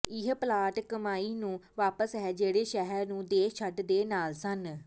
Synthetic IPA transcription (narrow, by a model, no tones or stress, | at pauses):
ɪɦplaːʈkəmaːiːnũːʋaːpəsɦɛːd͡ʒeːɽeːʃɛɦɛɾnũːd̪eːt͡ʃʰəʈd̪eːnaːlsən